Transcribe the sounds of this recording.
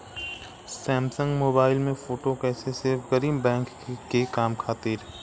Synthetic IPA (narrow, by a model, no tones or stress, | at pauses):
sɛːmsə̃ŋɡmoːbaːɪlmẽfoːʈokɛːseseɡəɾiːmbɛ̃ːŋk | kekaːmkʰaːt̪ɪɾ